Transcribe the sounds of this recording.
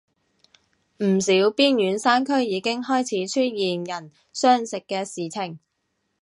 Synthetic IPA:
m̩˨˩siː˨˥wpiː˥njyː˨˧˥nsaː˥nkʰɵ˥ɥjiː˨˧kɪ˥ŋɦɔː˥jt͡sʰiː˨˥t͡ʃʰy˥t̚jiː˨njɐ˨˩n | sœː˥ŋsɪ˨kːɛː˧siː˨˩t͡sʰɪ˨˩ŋ

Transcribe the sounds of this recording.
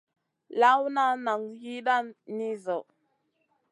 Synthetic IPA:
la˦wna˦na˨ŋhi˦ɗa˦nːi˦zo˨

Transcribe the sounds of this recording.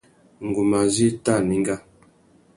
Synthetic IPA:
ŋ˨ɡu˨ma˨zi˦ta˦˨mi˨˦ŋ˦ɡa˦˨

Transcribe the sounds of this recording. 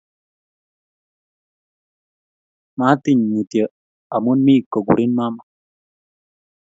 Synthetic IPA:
ma˦t̪i˦˨ɲmi˨t̪jə˨ | a˨mu˦nmi˦˨ko˨ɡṵ˨ɾi˦nma˦ma˨

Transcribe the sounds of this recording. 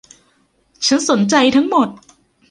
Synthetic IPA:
t͡ɕʰa˦˥nso˩˦nt͡ɕa˧jt̪ʰa˦˥ŋmo˨˩t̪̚

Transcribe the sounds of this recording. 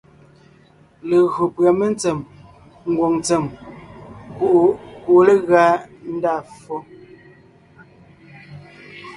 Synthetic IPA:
le˨ɣɰo˨pɰa˨me˦n˦t͡se˨m | ŋ˦ɡwo˨ŋt͡se˨m | ku˦˨ʔku˨ʔle˦ɣa˦n̩˦daː˦˨fɔ˦

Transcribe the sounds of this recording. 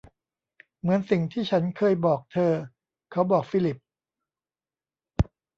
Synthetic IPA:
mɯ˩˦ənsi˨˩ŋt̪ʰiː˥˩t͡ɕʰa˦˥nkʰɤː˧jbɔː˨˩k̚t̪ʰɤː˧ | kʰa˦˥wbɔː˨˩k̚fiː˧˥li˨˩p̚

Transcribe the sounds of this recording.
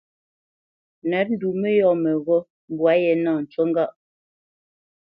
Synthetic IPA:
nɛ˨˦p̚n̩˦du˨mɛ˦jɔ˦˨mɛ˨ɣɔ˦ | m˦bwa˨˦jɛ˨naː˦˨n̩˨t͡ʃo˦ŋ˦ɡa˦ʔ

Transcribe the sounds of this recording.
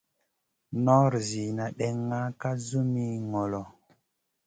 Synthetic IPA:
nɔ˦ɾzi˨na˨ɗɛ˨ŋːa˦ka˦zu˦mi˦ŋɔ˨lɔ˨

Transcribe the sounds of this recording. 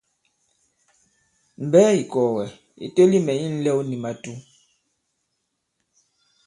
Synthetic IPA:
m̩˨bɛː˦i˨kɔ˨wɛ˨ | ḭ˨te˦li˦mɛ˨i˦n̩˦lɛ˦wni˨ma˨tu˦

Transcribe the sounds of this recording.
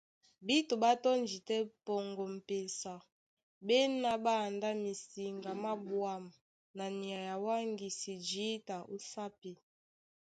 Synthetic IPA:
bi˦to˨ba˦tɔ˦nd͡ʒi˨tɛ˦pɔ˨ŋɡɔ˨m̩˨pe˨sa˨ | bɛ˦na˦ba˦˨nda˦mi˨si˨ŋɡa˨ma˦bwa˦˨m˨ | na˨ni˨a˨ja˨wa˦ŋɡi˨si˨d͡ʒi˦ta˨ʔo˦sa˦pi˨

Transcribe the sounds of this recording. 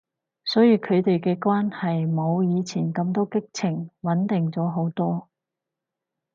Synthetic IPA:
sɔː˨˥jiː˨˧kʰɵ˨˧ɥt̪e˨jkɛː˧kwaː˥nhɐ˨jmo˨˧wjiː˨˧t͡sʰiː˨˩nkɐ˧mt̪ɔː˥kɪ˥k̚t͡sʰɪ˨˩ŋwɐ˨˥nt̪ɪ˨ŋt͡sɔː˨˥ɦo˨˥wt̪ɔː˥

